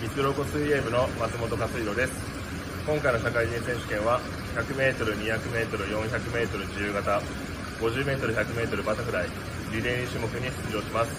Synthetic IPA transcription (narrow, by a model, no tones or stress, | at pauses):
mʲit͡sɨɾo̞ːko̞sɨiemɯ̟no̞mat͡sɨmo̞t̪o̞kasɨiɾo̞d̪e̞sɨ̥ | kõ̞ŋkaino̞ɕakaid͡ʑĩsẽ̞ɕɨ̥kẽ̞ɰ̃βa | çakɯ̟me̞ːt̪o̞ɾɯ̟ɲiçakɯ̟me̞ːt̪o̞ɾɯ̟jõ̞ɰ̃çakɯ̟me̞ːt̪o̞ɾɯ̟d͡ʑijɯːɡat̪a | ɡ̥o̞ʑɨːme̞ːt̪o̞ɾɯ̟çʲakɯ̟me̞ːt̪o̞ɾɯ̟bat̪akɯ̟ɾai | ɾʲid̪ẽ̞ɰ̃iɕɨmo̞kɯ̟ɲ̟isɨ̥t͡sɨʑo̞ːɕimasɨ̥